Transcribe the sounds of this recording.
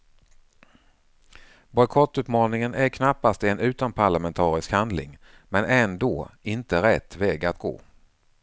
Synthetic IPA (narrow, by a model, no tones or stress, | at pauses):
bɔjkʰɔt̪ːʉ̟ːt̪mɑːnɪŋənʔæɾkʰnapːast̪ɛnʉ̟ːt̪anpʰaɭamɛnt̪ʰɑːɾɪskhand̪lɪ̰ŋ | mɛnɛnd̪oːɪnt̪əɾɛt̪ːvɛːɡat̪ɡo̰ː